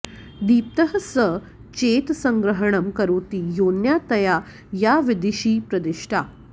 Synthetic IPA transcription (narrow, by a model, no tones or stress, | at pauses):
d̪iːp̚t̪əɦəsə | t͡ɕet̪səŋɡɾəɦəɳ̃əmkəɾoːt̪iːjonjat̪əja | jaʋid̪iɕiːpɾəd̪ɪʂʈʰa